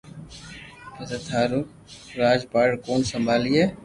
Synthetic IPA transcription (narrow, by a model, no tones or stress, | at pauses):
pət̪ət̪ʰaːɾuː | ɾaːd͡ʒpaːɽkoːnsəmbʱaːliːɛː